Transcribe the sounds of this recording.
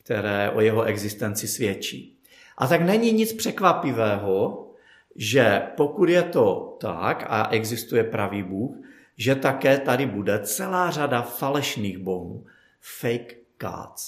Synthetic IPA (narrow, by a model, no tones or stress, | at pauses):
kt̪ɛɾɛːʔo̞jɛɦoʔɛɡzɪst̪ɛnt͡sɪsvjɛt͡ʃḭː | ʔat̪aknɛɲiɲɪt͡spr̥ɛkvapɪvɛːɦo | ʒɛpo̞kud̪jɛt̪o̞t̪a̰ka̰ʔɛɡzɪst̪ujɛpɾaviːbuːx | ʒɛt̪akɛːt̪adɪbudɛt͡sɛlaːr̝adafalɛʃniːɣboɦuː | fɛjkː | a̰t͡s